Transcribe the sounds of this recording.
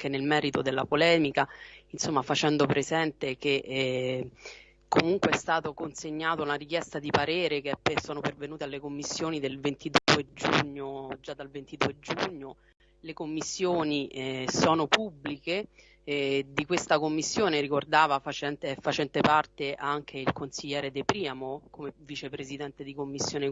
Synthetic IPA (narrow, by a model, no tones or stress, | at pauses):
kenːelmɛːɾit̪od̪elːapolɛːmikainsomːafat͡ʃɛnd̪opɾezɛnt̪eke | kʰomuŋkweɛst̪aːt̪okonseɲːaːt̪ounaɾikjɛst̪ad̪ipaɾeːɾek̟epesːɔːnopervenuːt̪ealːekomːisːjoːnid̪elvent̪id̪uːed͡ʒṵɲːod͡ʒad̪ːalvent̪id̪uːed͡ʒuɲːo | lekomːisːjoːnisɔːnopubːlike | d̪ikwest̪akomːisːjoːneɾikord̪aːvafat͡ʃɛnt̪ɛfːat͡ʃɛnt̪epart̪eʔaŋk̟ʰeilkonsiʎːɛːɾed̪epɾiːamokomevit͡ʃepɾezid̪ɛnt̪ed̪ikomːisːjoːne